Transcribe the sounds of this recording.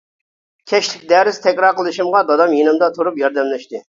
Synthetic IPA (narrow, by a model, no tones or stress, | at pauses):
kʲʰɛʃlɪkʲd̪ɛɾɪst̪ʰɛkʲɾɑɾqəlˠɨʃimʁɑd̪ɑd̪ɑmjinɨmd̪ɑt̪ʰuɾupjɑɾd̪ɛmlɛʃt̪ɪ